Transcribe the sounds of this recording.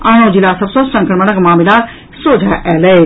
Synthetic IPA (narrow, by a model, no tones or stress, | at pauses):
ãːɽ̃õd͡ʒilasɐbsõsɐ̃ŋkɾəmənəkmaːmila | soːd͡ʒʱaʔɛːlə